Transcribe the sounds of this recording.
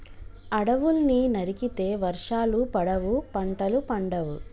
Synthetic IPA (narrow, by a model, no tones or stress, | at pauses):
ɐɽɐʋulninɐɾikit̪e̞ːʋɐɾʂaːlupɐɽɐʋupɐɳʈɐlupɐɳɖɐʋṵ